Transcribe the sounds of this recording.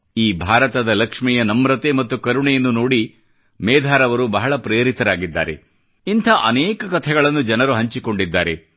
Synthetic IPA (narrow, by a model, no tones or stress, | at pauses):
iːbʱaːɾɐt̪ɐd̪ɐlɐkʂmɛjɐnɐmɾɐt̪emɐt̪ːukɐɾuɳɛjɐnːunoːɽi | mɛːd̪ʱaːɾɐʋɐɾubɐɦɐɭɐpɾeːɾit̪ɐɾaːɡid̪ːa̰ːɾe̞̰ | int̪ʰɐʔɐneːkɐkɐt̪ʰɛɡɐɭɐnːud͡ʒɐnɐɾuɦɐɲt͡ʃiko̞ɳɖid̪ːaːɾe